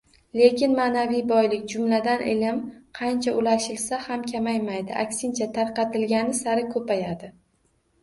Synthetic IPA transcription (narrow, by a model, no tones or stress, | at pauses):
le̞kʲʰɪnmanavijbɒjlɪkʲd͡ʒʊmlad̪anʔḛlʲamqʰɑnt͡ʃʰaʔʊlaʃɪlsahamkʲʰamajmajd̪ɪʔa̰kʲsɪnt͡ʃʰat̪ʰaɾqɑt̪ɪlɡʲanɪsaɾɪkʲʰɵpajad̪ɪ